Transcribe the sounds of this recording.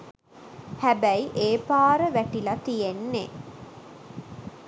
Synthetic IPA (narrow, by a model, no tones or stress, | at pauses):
hæbæjiʔeːpaːɾəʋæʈilɐt̪ijenːe